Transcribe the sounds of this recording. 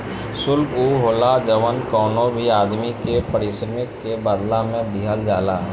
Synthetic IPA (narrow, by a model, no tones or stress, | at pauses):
sʊlkuːɦoːlad͡ʒəʋənkɔːnõbʱiaːd̪mikepəɾɪsɾəmɪkːebaːd̪lamẽd̪ɪɦəld͡ʒaːlaɦɛ